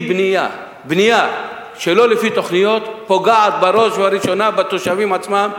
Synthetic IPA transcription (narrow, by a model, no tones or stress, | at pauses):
bnija | bnija | ʃelo̞lefit̪o̞χnijo̞t̪po̞ɡaʕat̪̚baɾoʃvaɾiʃo̞nabat̪oʃavimʕat͡smam